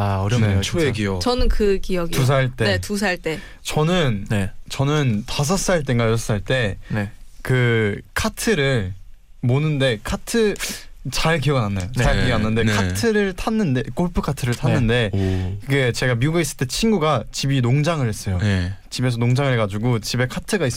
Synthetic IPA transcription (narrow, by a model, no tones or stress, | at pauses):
aʌɾʰekiʌt͡ɕʌnɯnkɯkijʌɡitus̬ʰaɭt͈e̞etus̬ʰaɭt͈e̞ | t͡ɕʌnɯnnet͡ɕʌnɯntas̬ʰʌs͈aɭt̬͈eŋɡasʌs͈ɯaɭt͈e̞nekɯkʰatʰɯɾɯɭ | monɯnde̞kʰatʰɯt͡ɕaɭk̬ijʌɡɯnanːajont͡ɕaɭkiʌɡnanːɯnde̞kʰatʰɯɾɯɭtʰanːɯndek͈oɭpʰɯkʰatʰɯɾɯɭtʰanːɯnde̞kɯɡe̞t͡ɕe̞ɡamiuɡais͈ɯɭt͈e̞t͡ɕʰinɡuɡat͡ɕibinoŋd͡ʑaŋɯɭhe̞s͈ʌjont͡ɕibe̞s̬ʰʌnoŋd͡ʑaŋɯɭɦeɡad͡ʑuɡot͡ɕibe̞kʰatʰɯɡais͈